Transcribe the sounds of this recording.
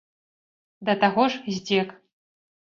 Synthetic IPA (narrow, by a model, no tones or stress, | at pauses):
d̪ɐt̪aɣɔʐzʲdʲek